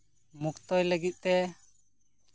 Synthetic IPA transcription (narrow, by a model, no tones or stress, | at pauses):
mukt̪ɔjləɡit̪̚ˀt̪ɛ